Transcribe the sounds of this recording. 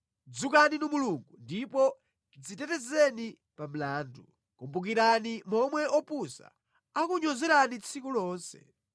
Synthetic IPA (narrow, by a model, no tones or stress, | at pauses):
d͡zukaninimuluŋɡundipɔ | kid͡zitɛtɛzɛni | pam̩laːndu | kumbuk̬iɾanimɔmwɛɔpusa̰ | akuɲɔzɛɾanit͡sʰikulɔːnsɛ̰